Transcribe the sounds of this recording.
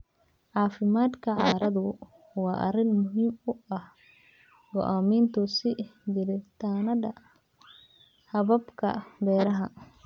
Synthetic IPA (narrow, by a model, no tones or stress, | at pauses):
ʕɑːfɪmaːd̪kʰɐʕɑːɾɐðʊ | wɑːʔɐ̰rɪnmʊɦiːmʊʔɐh | ɡɔ̰ʔaːmiːnt̪ʰʊsɪjɪɾɪt̪ʰaːnɐdɐ | hɐβɐbkʰɐ̰bɛːɾɐɦɐ